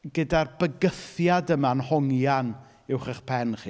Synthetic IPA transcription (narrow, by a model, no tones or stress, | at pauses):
ɡ̥ədarbəɡəθjadəmanhɔŋjan | ɪwχəχpʰɛnχiː